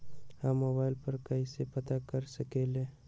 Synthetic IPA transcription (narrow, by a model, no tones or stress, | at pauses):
hamːoːbaːɪlpəɾkɐisepɐt̪akəɾsəkeːlẽ